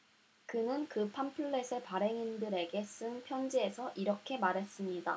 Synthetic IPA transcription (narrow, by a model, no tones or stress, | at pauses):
kɯnɯnkɯpʰampʰɯɭːesʰɯɭpaɾe̞ŋindɯɾe̞ɡe̞s͈ɯŋpʰjʌnd͡ʑie̞sʰʌʔiɾʌkʰe̞maɾe̞s͈ɯmɲida̰